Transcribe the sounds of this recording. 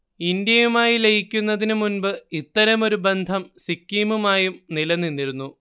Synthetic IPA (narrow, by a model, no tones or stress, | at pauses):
ind̪jɐjumaːjilejikʲːunːɐðinɨmunbɨit̪ːɐɾɐmo̞ɾubend̪ʱɐmsikːiːmumaːjumnilɐnːinːiɾunːu